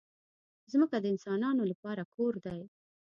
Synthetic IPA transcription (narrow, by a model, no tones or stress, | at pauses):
zməkad̪əɪnsɑnɑnolapɑɾakoɾd̪aj